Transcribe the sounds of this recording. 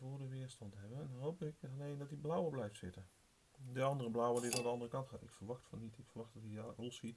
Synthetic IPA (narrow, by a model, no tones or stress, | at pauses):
vʊːdəʋɪəɹstɑntɦɛbənnnɦowpɪkanejndɑt̚diblɔwəblɛjftsɪtən | diɑndərəblɔwədidandəɑndərəkɑntχaːtɪkfəɹʋɑχtfɑnːitɪkfəɹʋɑχdɑtiatolˠsit